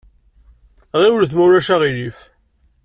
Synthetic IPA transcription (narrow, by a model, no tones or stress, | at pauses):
ʁiwlθmuɾæʃæʁijif